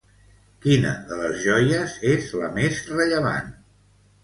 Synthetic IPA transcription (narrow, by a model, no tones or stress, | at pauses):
kinə̰ðələzʒɔjəzezləmezrəʎəβ̞a̰n